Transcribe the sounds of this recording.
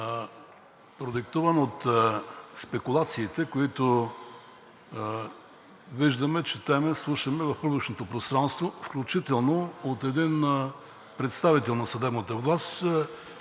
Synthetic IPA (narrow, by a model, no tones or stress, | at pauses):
pɾod̪ɛk̚t̪uvənot̪ | spɛkulˠat̪siːt̪ɛkoit̪ʊ | viʒd̪əmɛt͡ʃɛt̪ɛmɛslˠuʃəmɛvɐfpɾuɡlit͡ʃnot̪opɾost̪ɾanst̪vofklʲut͡ʃit̪ɛlˠnoot̪ɛd̪in | pɾɛt̪st̪avit̪ɛlˠnɐsɐd̪ɛbnət̪əvlˠast̪